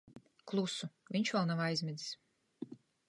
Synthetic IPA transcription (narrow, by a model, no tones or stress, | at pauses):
klˠusuvʲiɲʲt͡ʃvɛlˠnavajzʲmid̪i̥s